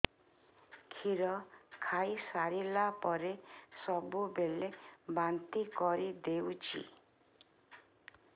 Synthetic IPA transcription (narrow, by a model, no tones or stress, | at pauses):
kʰiɾɔkʰajsaɾilapɔɾesɔbubelebant̪ikɔɾid̪ewt͡ʃʰḭ